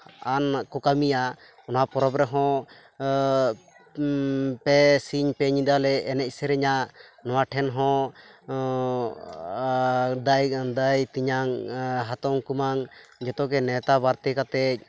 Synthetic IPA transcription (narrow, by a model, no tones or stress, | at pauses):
ankɔkamija | ɔnapɔɾɔpɾɛɦɔ̃ | pɛsiɲpɛɲid̪alɛːnɛc̚sɛɾɛɲaʔnɔwaʈʰɛnɦɔ̃ | d̪ajd̪ajt̪iɲaŋɦat̪ɔŋkumaŋd͡ʒɛt̪ɔkɛnɛt̪aβaɾt̪ɛkat̪ɛc̚